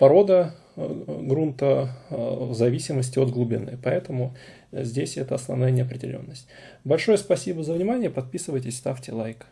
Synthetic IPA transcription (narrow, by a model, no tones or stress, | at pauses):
pɐɾo̞d̪ə | ɡɾunt̪ə | zɐvʲisʲɪməsʲtʲɪod̪ɡlˠʊbʲɪnɨ̰pɐɛt̪əmʊ | zʲdʲesʲɛt̪əɐsnɐ̰vnajənʲɪɐpɾʲɪdʲɪ̰lʲo̞̰nːəsʲtʲbɐlʲʂojʊspɐsʲibəzəvnʲɪmanʲɪjəpɐt̪̚pʲisɨvəjtʲɪsʲst̪aftʲɪlˠajk